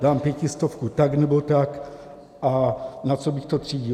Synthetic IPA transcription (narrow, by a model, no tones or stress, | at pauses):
daːmpjɛcist̪ofkut̪aɡnɛbot̪ak | ʔanat͡sobɪxt̪ot̪r̝̥iːɟi